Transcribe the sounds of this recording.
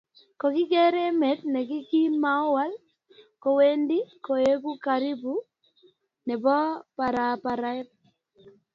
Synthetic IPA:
kɔ˨kɪ˦kɛ˦ɾɛ˦mɛ˨˦t̚nɛ˨kɪ˦ki˦nma˨ɔ˦wa˦l | kɔ˨we˦ndi˦ko˨e˦ku˦ka˨ɾi˦bu˦ | nɛ˨bɔ˦pa˨ɾa˨pa˨ɾa˦ɪ˦p̚

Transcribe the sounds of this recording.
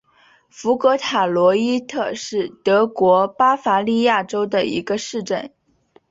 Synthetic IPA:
fu˧˥kɤ˧˥t̪ʰa˨˩lwɔ˧˥i˥t̪ʰɤ˥˧ʂɻ̩˥˩t̪ɤ˧˥kwɔ˧˥pa˥fa˧˥li˥˧ja˥˩ʈ͡ʂo˥ʊd̪ə˨ḭ˧˥ɡə˧ʂɻ̩˥˧ʈ͡ʂə˥˩n

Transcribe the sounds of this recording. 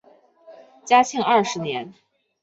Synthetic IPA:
t͡ɕja˥t͡ɕʰi˥˩ŋɐ˞˥˩ʂɻ̩˧˥njɛ˧˥n

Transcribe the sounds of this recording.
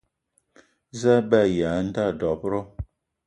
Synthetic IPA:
za˦bɛ˦˨ja˨˦n̩˦da˦˨dɔ˨pɾɔ˦

